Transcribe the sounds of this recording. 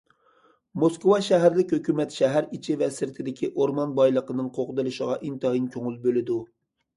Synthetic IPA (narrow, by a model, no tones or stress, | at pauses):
moskowɑʃɛɦæɾlɪkʲhøkʲymɛt̪ʃɛɦæɾit͡ʃʰivɛsɪɾt̪ʰɪd̪ɪkʲʰiʔoɾmɑnbɑjlˠəqənɨŋqʰoqʊd̪ɨlˠɨʃəʁɑʔint̪ɑjinkʲʰoŋɨlˠbølɪd̪u